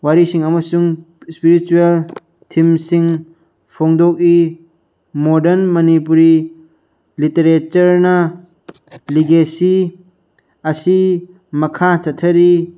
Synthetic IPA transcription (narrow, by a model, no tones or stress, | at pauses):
waɾisiŋɐmɐsuŋ | spiɾit͡ʃuel | tʰimsiŋ | pʰoŋdɔk̚i | modɐnmɐnipuɾi | liteɾet͡ʃɐɾnɐ | liɡesi | ɐsi | mɐkʰat͡ʃɐtʰɐɾi